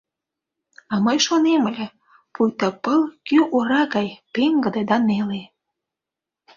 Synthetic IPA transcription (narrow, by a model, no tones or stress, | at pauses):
ɑməjʃoneməlʲĕ | pujt̪ɑpəlkyʔoɾɑɣɑjpeŋɡə̆d̪ĕd̪ɑnele